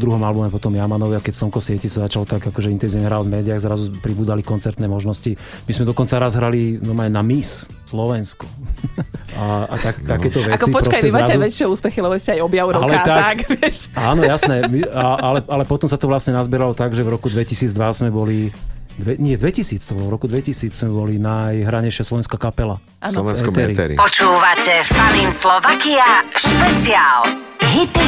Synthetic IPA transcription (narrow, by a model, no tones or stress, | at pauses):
ɔd̪ɾuɦɔmalbumɛpɔt̪ɔmjamanɔʋɪakɛcsɔŋkɔsɪɛcisazat͡ʃalɔt̪aɡakɔʒɛint̪ɛnziʋɲɛɦɾalɔvmɛːd̪iaɣzɾazumɛpɾibuːd̪alikɔnt͡sɛɾt̪nɛːmɔʒnɔsci | mizmɛd̪ɔkɔnt͡saɾazɦɾalid̪ɔmanamis | slɔʋɛnskɔ | aat̪akt̪akɛːt͡st̪ɔʋɛakɔipɔpɾɔkaɛizmaɾazɛzuʋɛt͡ʃːɪɛuːspɛxilɛbɔʋiscɛajɔbjawɾɔalɛat̪akakʋɪɛʃaːnɔjasnɛmiaʔalɛalɛpɔt̪ɔmsat̪ɔʋlasɲɛnazbɛɾalɔt̪aɡʒɛvɾɔkud̪ʋɛcisiːd͡zd̪ʋazmɛbɔlid̪ʋɛɲɪɛd̪ʋɛcisiːt͡st̪ɔbɔlvɾɔkud̪ʋɛcisiːt͡ssmɛbɔlinajɦɾaɲɛjʃɪaslɔʋɛnskakapɛla | anɔɛɛɾipɔt͡ʃuːʋacɛfalinslɔʋakiaʃpɛt͡siaːlɦit̪i